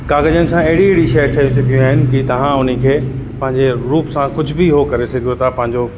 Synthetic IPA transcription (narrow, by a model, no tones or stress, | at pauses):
kaːɡəd͡ʑənɪ̆sãɐɦɪɽiɦɪɽiʃɐjʈʰɐjũsʊkʰijũaːɦɪnɪ̆kit̪ɐʋ̤ãʊnikʰeːpɐ̃ɦɪ̃ɲd͡ʑeɾuːpsãkʊd͡ʑʱʊbɪɦokɐɾesɐɡʱijot̪ʰapɐ̃ɦɪ̃ɲd͡ʑo